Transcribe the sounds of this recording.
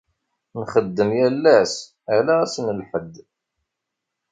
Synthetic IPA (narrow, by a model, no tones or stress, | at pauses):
nχəd̪ːəmjælːæs | ælææsnəlħəd̪ː